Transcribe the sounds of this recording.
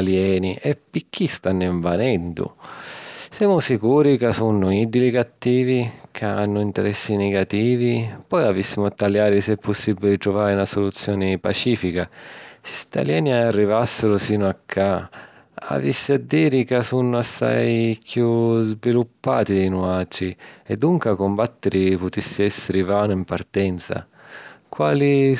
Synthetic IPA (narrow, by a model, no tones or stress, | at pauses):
aljɛːniʔɛpːik̟ːist̪anːiɱvanɛnd̪ʊ̰ | sɛːmʊsikuːɾikasunːʊid̪ilikat̪ːiːvikʰaa̰nːʊint̪ɛɾɛsːinɛɡat̪iːvipɔjavisːimʊat̪ːaljaːɾisɛpːʊsːibːilɪt̪ɾʊvaːɾɪunasʊlut̪sːjɔːnɪpat͡ʃiːfikasi̥st̪a̰ljaːniaarːivasːɪɾʊsiːnʊakʰːa | a̰visːiad̪ːiːɾikasunːʊasːa̰jkjuzvilupːa̰ːt̪inuad͡ʒiɛd̪ːuŋkakʊmbat̪ːɪɾipʊt̪isːiɛsːɪɾɪvaːnʊimpart̪ɛnt̪sa̰ | kwa̰ːli